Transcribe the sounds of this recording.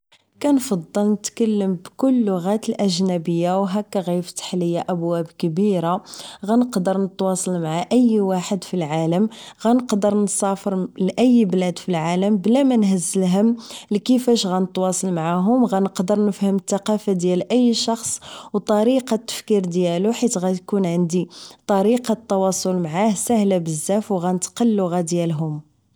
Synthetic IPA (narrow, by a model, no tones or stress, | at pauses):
kænfɑd̪ˤːəlnət̪kælːəmbkʊlːʊɣæt̪əlʔæʒnæbəjːawɦækːæɣift̪ḁħləjːaʔæbwæbkəbiɾaɣænəqd̪əɾˤnət̪wɑsˤɑlmaʕaʔəjːwaħəd̪filʕaləmɣænəqd̪əɾnsɑfəɾlʔəjːblæd̪filʕaləmblæmænhəzːəlɦəmlikəfæʃɣænət̪wɑsˤɑlmʕaɦʊmɣænəqd̪əɾˤnəfhəmət̪ːɑqɑfad̪jælʔəjːʃɑxsˤwt̪ˤɑɾiqɑt̪ːə̥fkiɾd̪jæluħit̪ɣæt̪kunʕənd̪it̪ˤɑɾiqɑt̪ːɑwɑsˤolmʕahsæhlæbəzːæfwɣænət̪qəlːʊɣæd̪jælɦʊm